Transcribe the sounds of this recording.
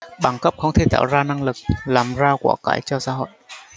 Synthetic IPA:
ɓa˧˩ŋkə˦˥p̚xə˧wŋ͡mt̪ʰe˧˩t̪a̰ː˧˩wzaː˧na˧ŋlɨ˨˩k̚laː˨˩mzaː˧wkwaː˧˩ka̰ː˧˩jt͡ɕɔ˧saː˧˦ɦo̰˧˨j

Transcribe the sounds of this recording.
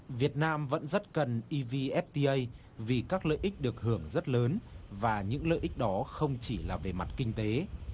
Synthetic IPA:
vi˨˩ət̚naː˧mvə̰˧˥nzə˦˥t̚kə˨˩nʔi˧vi˧ʔɛ˦˥p̚t̪i˧ʔə˧j | vi˨˩kaː˦˥k̚lə̰ː˧˨jʔï˦˥k̟̚ɗɨ˨˩ək̚hɨ˧˩əŋzə˦˥t̚ləː˨˦nvaː˨˩ɲɨ̰˧˥ŋlə̰ː˧˨jʔï˦˥k̚ɗɔ˨˦xə˧wŋ͡mt͡ɕi˧˩laː˨˩ve˨˩ma˨˩t̚kï˧ŋ̟t̪e˨˦

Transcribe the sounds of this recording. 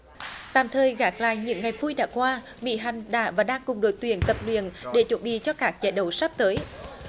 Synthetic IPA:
t̪a̰ː˧˨mt̪ʰəː˨˩jɣaː˨˩k̚la̰ː˧˨jɲɨ̰˧˥ŋːa˨˩jvu˧jɗa̰ː˧˥kwaː˧ | mḭ˧˥ɦa˨˩jŋ̟ɗa̰ː˧˥vaː˨˩ɗaː˧ŋkʊ˨˩ŋ͡mɗo̰˧˩˦jt̪wi˧˨ənt̪ə˨˩p̚lwḭ˧˨ənɗe˧˩t͡ɕwə˧˩nɓḭ˧˨t͡ɕɔ˧kaː˦˥k̚t͡ɕa̰ː˧˨jɗə˨˩wsa˦˥p̚t̪əː˨˦j

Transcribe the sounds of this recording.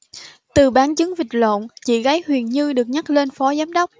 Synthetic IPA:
t̪ɨ˨˩ɓaː˨˦ŋt͡ɕɨ˨˦ŋvï˨˩k̚lo̰˧˨nt͡ɕḭ˧˨ɣa˨˦jhwi˨˩ənɲɨ˧ɗɨ˨˩ək̚ɲa˦˥k̚le˧nfɔ˨˦zaː˨˦mɗə˦˥wk͡p̚

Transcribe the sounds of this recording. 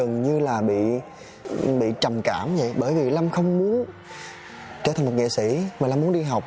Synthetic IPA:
ɨ˨˩ŋɲɨ˧laː˨˩ɓḭ˧˨ | ɓḭ˧˨t͡ɕə˨˩mkaː˧˩mvə̰˧˨jɓəː˧˩jvi˨˩la˧mxə˧wŋ͡mmu˨˦ən | t͡ɕə̥ː˧˩t̪ʰa˨˩ŋmo˨˩ŋɛ̰˧˨sḭ˧˩˥maː˨˩la˧mu˨˦ənɗi˧ɦa˨˩wk͡p̚

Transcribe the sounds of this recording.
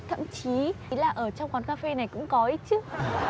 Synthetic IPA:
t̪ʰə̰˧˨mt͡ɕi˨˦˨laː˨˩ʔəː˧˩t͡ɕɔ˧wŋ͡mkwaː˨˦nkaː˧fe˧na˨˩jkʊ̰˧˥ŋ͡mkɔ˨˦ʔi˨˦˥t͡ɕɨ˦ək̚

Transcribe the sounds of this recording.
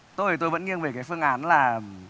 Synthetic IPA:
t̪o˧jt̪o˧jvə̰˧˥nŋi˧əŋve˨˩kaː˨˦jfɨ˧əŋʔaː˨˦nlaː˨˩

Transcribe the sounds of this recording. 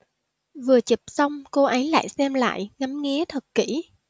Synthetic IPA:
vɨ˨˩ət͡ɕi˨˩p̚sa˧wŋ͡mko˧ʔə˨˦jla̰ː˧˨jsɛ˧mla̰ː˧˨jŋa˨˦mŋi˧˦ət̪ʰə˨˩t̚kḭ˧˩˥

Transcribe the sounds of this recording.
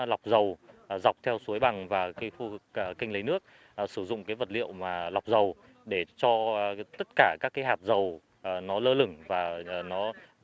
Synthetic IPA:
la˨˩wk͡p̚zə˨˩wza˨˩wk͡p̚t̪ʰɛ˧wsu˨˦əjɓa˨˩ŋvaː˨˩kːjfu˧˨˩kːkï˧ŋ̟li˨˦nɨ˦˥ək̚ | ʔsɨ˧˩zʊ̰˧˨ŋ͡mkaː˨˦jvə˨˩t̚lḭ˧˨əwmaː˨˩la˨˩wk͡p̚zə˨˩w | ɗe˧˩t͡ɕɔ˧t̪ə˦˥t̚kaː˧˩kaː˦˥kːaː˨˦jɦaː˨˩p̚zə˨˩w | nɔ˨˦ləː˧lɨ˧˩ŋvaː˨˩˨nɔ˨˦

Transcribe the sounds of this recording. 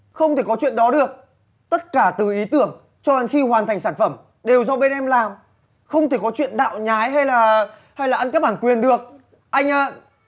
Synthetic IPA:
xə˧wŋ͡mt̪ʰe˧˩kɔ˨˦t͡ɕwḭ˧˨ənɗɔ˨˦ɗɨ˨˩ək̚ | t̪ə˦˥t̚kaː˧˩t̪ɨ˨˩ʔi˨˦t̪ɨ˧˩əŋ | t͡ɕɔ˧za˨˩ŋxi˧hwaː˨˩nt̪ʰa˨˩jŋ̟saː˧˩nfə˧˩m | ɗe˨˩wzɔ˧ɓe˧nʔɛ˧mlaː˨˩m | xə˧wŋ͡mt̪e˧˩kɔ˨˦t͡ɕwḭ˧˨ənɗa̰ː˧˨wɲaː˨˦jɦa˧jlaː˨˩ | ha˧jlaː˨˩ʔa˧nkaː˦˥k̚ɓaː˧˩ŋkwi˨˩ənɗɨ˨˩ək̚ | ʔa˧jŋ̟ʔaː˨˦

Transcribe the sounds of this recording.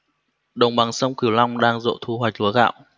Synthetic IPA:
ɗə˨˩wŋ͡mɓa˨˩ŋsə˧wŋ͡mki˧˩əwla˧wŋ͡mɗaː˧ŋzo̰˧˨t̪ʰu˧ɦwa˨˩jk̟̚lu˨˦ɣa̰ː˧˨w

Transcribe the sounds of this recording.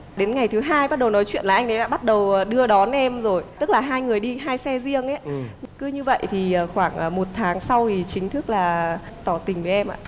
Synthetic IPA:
ɗe˨˦nŋa˨˩jt̪ʰɨ˨˦ɦaː˧jɓa˦˥t̚ɗə˨˩wnɔ˨˦jt͡ɕwḭ˧˨ənlaː˨˩ʔa˧ŋ̟ɗə˨˦ɗa̰ː˧ɓt̚ɗə˨˩wɗɨ˧əɗɔ˨˦nʔɛ˧mzo˨˩jt̪ɨ˦˥k̚laː˨˩ɦaː˧jŋɨ˨˩əjɗi˧ɦaː˧jsɛ˧zi˧əŋʔɛ˨˦kɨ˨˦ɲɨ˧və̰˧˨jt̪ʰi˨˩əː˨˩xwaː˧˩ŋʔə˨˩mo˨˩t̚t̪ʰaː˨˦ŋsa˧wt̪ʰi˨˩t͡ɕï˨˦ŋ̟t̪ʰɨ˦˥k̚laː˨˩ | t̪ɔ˧˩t̪ï˨˩ŋ̟ve˨˦ʔɛ˧mʔa̰ː˧˨

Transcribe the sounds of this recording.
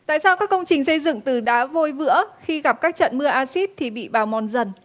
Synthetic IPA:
t̪a̰ː˧˨jsaː˧wkaː˦˥kːə˧wŋ͡mt͡ɕï˨˩ŋ̟sə˧jzɨ̰˧˨ŋt̪ɨ˨˩ɗaː˨˦vo˧jvɨ̰˧˥əxi˧ɣa˨˩p̚kaː˦˥k̚t͡ɕə̰˧˨nmɨ˧əʔaː˧si˦˥t̚t̪ʰi˨˩ɓḭ˧˨ɓaː˨˩wmɔ˨˩nzə˨˩n

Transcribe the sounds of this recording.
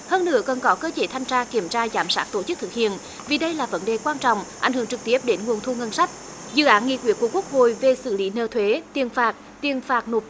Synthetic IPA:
həː˧nːɨ̰˧˦əkə˨˩nkɔ˨˦kəː˧t͡ɕe˨˦t̪ʰa˧jŋt͡ɕaː˧ki˧˩əmt͡ɕaː˧zaː˨˦msaː˦˥k̚t̪o˧˩t͡ɕɨ˦˥k̚t̪ʰɨ˨˩k̚hḭ˧˨ən | vi˨˩ɗə˧jlaː˨˩və˨˦nɗe˨˩kwaː˧nt͡ɕɔ̰˧˨wŋ͡mʔa̰˨˧˩jŋ̟hɨ˧˩əŋt͡ɕɨ˨˩k̚t̪i˦˥əp̚ɗe˨˦nŋu˨˩ənt̪ʰu˧ŋə˧nsa˦˥k̚ | zɨ̰˧˨ʔaː˨˦nŋḭ˧˨kwḭ˧˥əku˧˩əkwək̚ho˧˨jve˨˩sɨ̰˧˩li˨˦nəː˧˩t̪ʰwe˨˦t̪i˨˩ənfaː˨˩t̚ | t̪i˨˩ənfaː˨˩t̚no˨˩t̚

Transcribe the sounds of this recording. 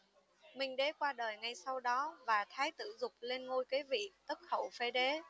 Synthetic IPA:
mï˨˩ŋ̟ɗe˨˦kwaː˧ɗəː˨˩jŋa˧jsa˧wɗɔ˨˦vaː˨˩t̪ʰaː˨˦jt̪ɨ̰˧˩zʊ˨˩k͡p̚le˧nŋo˧jke˨˦vḭ˧˨t̪ə˦˥k̚xə˧˩wfe˨˦ɗe˨˦

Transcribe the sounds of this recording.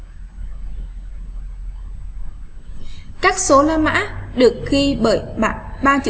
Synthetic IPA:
kaː˦˥k̚so˨˦laː˧ma̰ː˧˥ɗɨ˨˩ək̚xi˧ɓəː˧˩jɓa̰ː˧˨ɓaː˧t͡ɕḭ˧˨

